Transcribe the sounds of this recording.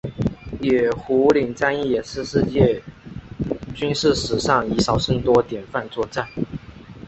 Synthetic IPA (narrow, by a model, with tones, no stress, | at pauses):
jɛ˨˩xu˧˥li˨˩ŋt͡sa˥ni˥˩jɛ˨˩ʂɹ̩˥˧ʂɻ̩˥˧t͡ɕjɛ˥˧ | t͡ɕy˥nʂɻ̩˥˩ʂɻ̩˨˩ʂɑ˥˩ŋi˧˥ʂɑ˨˩ʊʂə˥˩nt̪wɔ˥t̪jɛ˨˩nfa˥˧nt͡swɔ˥˧ʈ͡ʂa˥˩n